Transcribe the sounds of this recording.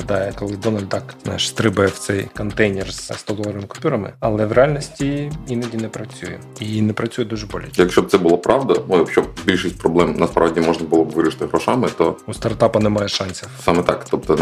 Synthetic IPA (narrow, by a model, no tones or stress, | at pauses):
ɐd̪ɑjɛkɔlˠɪd̪ɔnɐlʲd̪ɑkznɑ̰jɛʂst̪ɾɪbɐjɛw̥t̪sɛjkɔnt̪ɛjnʲɛrz̥st̪ɔd̪ɔlˠɐɾɐɪmɪkʊ̥pʲuɾɐmɪ̰ɐlˠɛʋreɑlʲnɔsʲtʲiinɐdʲinɛpɾɐt͡sʲujɛ̰ | inɛpɾɐt͡sʲujɛd̪uʒɛbɔlʲɪjɐkʃʲt͡ʃɔb̚tsɛbʊlˠɐpɾɑʋd̪ɐnujɐkʃʲt͡ʃɔb̚bʲilʲʃɪsʲt̚ʲpɾɔblˠɛmnɐspɾɑʋdʲimɔʐnɐbʊlˠɔbʋɪɾɪʃt̪ɪɦɾɔʃɑmɪt̪ɔust̪ɐrt̪ɑpɐnɛmɑjɛʃɑnʲsʲɐsɑmɛt̪ɑkt̪ɔp̚t̪ɔ